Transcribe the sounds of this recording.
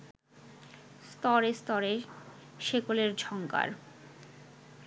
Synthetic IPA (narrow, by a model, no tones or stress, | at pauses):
st̪ɔɾest̪ɔɾe | ʃekoleɾd͡ʑʱɔŋka̰ɾ